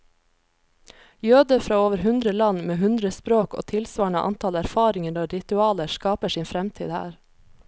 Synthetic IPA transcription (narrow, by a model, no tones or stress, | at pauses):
jøːd̪əfɾɑːoːʋəɾɦʉnd̪ɾəlɑnmeːhʉnd̪ɾəspɾoːko̰ːt̪ʰɪlsʋɑːɳɑ̰ːʔɑ̰nt̪ʰɑlæɾfɑːɾɪŋənɔɾɪt̪ʉɑːləʃkɑːpəʃiːnfɾɛmt̪ʰḭːd̪hæ̰ːɾ